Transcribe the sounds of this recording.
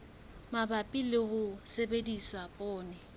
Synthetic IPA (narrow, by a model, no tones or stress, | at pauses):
mabapʼilɪhʊsebediswapʼɔːnɛ